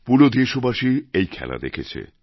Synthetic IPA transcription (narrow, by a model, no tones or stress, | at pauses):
pulod̪eʃobaʃiejkʰɛla̰d̪ekʰet͡ɕʰḛ